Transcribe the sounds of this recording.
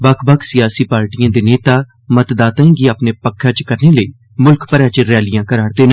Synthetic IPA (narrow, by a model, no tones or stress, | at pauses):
bəkʰbəkʰsɪjaːsiːpaːɾʈijãːd̪eːneːt̪aː | mət̪d̪aːt̪ãẽɡiːapneːpəkʰːaːt͡ʃkəɾneːləiː | mʊlkpəɾãːt͡ʃəɾɛːlɪjãːkəɾaːɽd̪eːn